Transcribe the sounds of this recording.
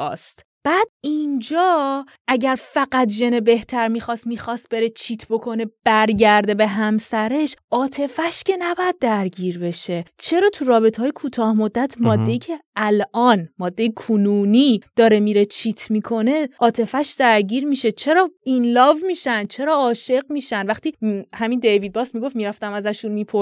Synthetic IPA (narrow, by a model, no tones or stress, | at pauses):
ɒ̰ːst̪ | b̥æːd̪̥ind͡ʒɒː | ʔæɟæɾfæɣæt̪ʒe̞nebe̞ht̪ʰæɾmiːxɒːst̪miːxɒːst̪̚be̞ɾet͡ʃʰiːt̪ʰbo̞kʰo̞ne̞b̥æɾɟæɾd̪e̞be̞ɦæmsæɾe̞ʃʔɒːt̪ʰe̞fæʃce̞næbɒjæd̪̚ːæɾɟiːɾbe̞ʃe̞t͡ʃʰe̞ɾɒːt̪ʰuɾɒːbe̞t̪ʰeɒːjekʰuːt̪ʰɒːhmod̪ːæt̪ʰmɒːd̪ːe̞jiːcʰe̞ælʔɒːnmɒːd̪ːejekʰunuːnid̪̥ɒːɾe̞miɾe̞t͡ʃʰiːt̪ʰmikʰo̞ne̞ʔɒːt̪ʰe̞fæʃd̪æɾɟiːɾmiːʃe̞t͡ʃʰe̞ɾɒːinlɒːvmiːʃænd̪̥̚t͡ʃʰe̞ɾɒːɒːʃeɢmiːʃænd̪væχt̪iːhæmind̪ejvid̪̚bɒːsmiɡo̞ftmiɾæft̪æmæzæʃunmiːpʰo